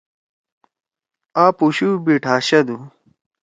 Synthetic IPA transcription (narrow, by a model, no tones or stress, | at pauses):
aːpuɕubiʈʰaːɕɐd̪u